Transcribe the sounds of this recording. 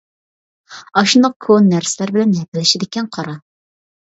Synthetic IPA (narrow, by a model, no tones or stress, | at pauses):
ɑʃund̪ɑq̚kʰonːæɾsɪlæɾbɪlɛnjɛp̪̚ɪlɪʃɪd̪ɪkʲɛnqʰɑɾɑ